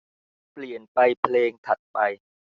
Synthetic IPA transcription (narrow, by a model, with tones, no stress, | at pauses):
pli˨˩ənpa˧jpʰleː˧ŋt̪ʰa˨˩t̪̚pa˧j